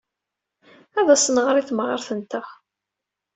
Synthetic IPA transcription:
æðæsənʁɾˤiθmʁəɾθənt̪æ

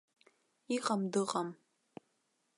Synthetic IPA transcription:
iʁɐmdɨʁɐm

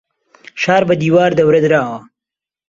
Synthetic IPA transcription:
ʃɑːɾbad̪iːwɑːɾd̪əwɾɐd̪ɾɑːwa

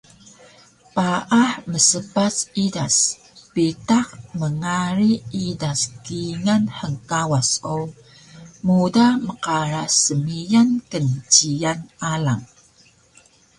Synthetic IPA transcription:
paʔaħməsəpasidas | pitakməŋaɾiidaskiŋanħəŋkawasow | mudaməqaɾasəmijankənt͡ɕijanala̰ŋ

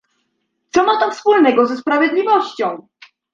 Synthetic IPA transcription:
t̪sɔmat̪ɔfspulnɛɡɔzɛspɾavʲjɛd̪lʲivɔɕt͡ɕɔ̃w̃

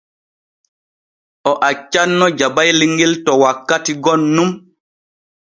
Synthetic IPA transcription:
ʔɔʔat͡ʃːanːɔd͡ʒabajliŋɡiltɔwakːatiɡɔnːum

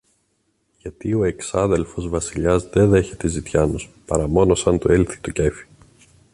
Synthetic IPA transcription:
ʝɐt̪io̞e̞ksɐðe̞lfo̞zvɐsiʎɐzðe̞ðe̞çe̞t̪ezit̪çɐnuspɐɾɐmo̞no̞sɐnt̪oelθi̥t̪oce̞fi̥

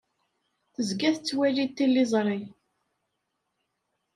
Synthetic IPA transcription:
θəzɡæθət͡sːwælit̪ːilːizˤɾˤi

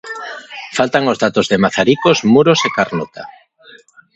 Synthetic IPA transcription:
falt̪aŋozðat̪ozðemaθaɾikozmuɾosekaɾnot̪a̰

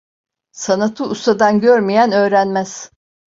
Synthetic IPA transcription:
sanat̪ʰɯust̪ad̪anɟøɾmijænø̞ːɾænmæz̥

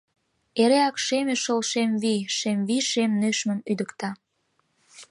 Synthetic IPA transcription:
eɾeɑkʃemeʃolʃemβiʃemviʃemnøʃmə̆myd̪əkt̪ɑ

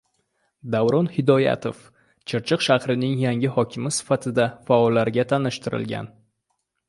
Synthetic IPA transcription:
d̪avɾɒnhɪd̪ɒja̰t̪ʰof | t͡ʃʰɪɾt͡ʃʰɨqʃahɾɪnɪŋjaŋʲɪhɒkʲʰɪmɪsɪ̥fat̪ʰɪd̪afaɒlːaɾɡʲat̪ʰanɪʃt̪ʰɪɾɪ̰lɡʲa̰n

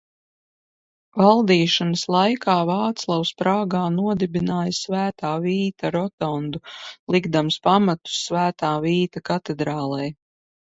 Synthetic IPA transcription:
valˠd̪iːʃanɐslˠajkaːvɑːt̪slˠawspɾaːɡaːnuɔd̪ɛbinaːjɐsvæːt̪aːviːt̪aɾɔt̪ɔnd̪ulˠiɡd̪amspamat̪u̥sːvæːt̪aːviːt̪akat̪ɛd̪ɾaːlˠɛj

